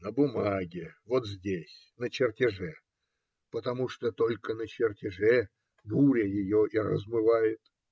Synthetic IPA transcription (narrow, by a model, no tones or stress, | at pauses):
nəbʊmaɡʲɪvot̪zʲdʲesʲ | nət͡ɕɪrtʲɪʐɛ | pət̪ɐmuʂt̪ot̪o̞lʲkənət͡ɕɪrtʲɪʐɛ | buɾʲɪjɪjoʔirə̰zmɨvajɪt̪